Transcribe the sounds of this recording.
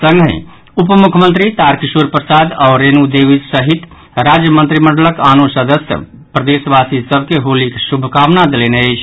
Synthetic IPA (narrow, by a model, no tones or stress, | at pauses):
sə̃ŋɡʱḛ̃ | upmukʰmə̃nt̪ɾit̪aɾkisuɾpɾəsad̪aɾenud̪eʋissəɦit̪ | ɾad͡ʒjəmənt̪ɾiməɳɖələkanusəd̪əsjə̰ | pɾəd̪esʋasisəbʱkeɦoliksubʱəkaʋnad̪eleneəjt͡ʃʰ